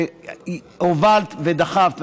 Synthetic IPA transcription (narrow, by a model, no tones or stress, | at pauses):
ovalt̪ved̪aχavt̪